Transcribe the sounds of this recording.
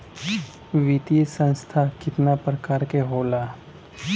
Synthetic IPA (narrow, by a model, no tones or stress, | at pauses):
ʋit̪ijsə̃nst̪ʰakɪt̪napɾəkaːɾkeɦoːlaː